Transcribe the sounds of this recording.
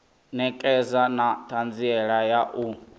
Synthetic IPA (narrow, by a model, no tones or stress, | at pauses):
nɛkʼɛzanatʰand͡ziɛɺajaʔu